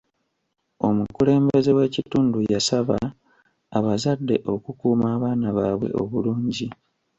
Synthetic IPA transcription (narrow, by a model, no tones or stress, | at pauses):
o̞mukule̞ːmbe̞ze̞we̞ːcituːndujasaβa | aβazadːe̞ʔo̞kukuːmaːβaːnaβaːβwe̞̰ʔo̞̰βuluːɲɟi